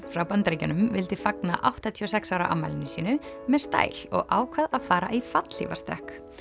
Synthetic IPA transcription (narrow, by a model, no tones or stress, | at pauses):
fɾawpant̪ɾeːjcanʏmvɪlt̪ɪfaknaʔawht̪at̪ʰiɔs̬ɛksaːwɾa̰ʔa̰mːajlɪnʏsiːnʏ | mɛðst̪a̰ːjl̥ɔ̰ɣʔaːwkʰvaðaðfaːɾaʔifat̪l̥ḭva̰st̪œ̰hk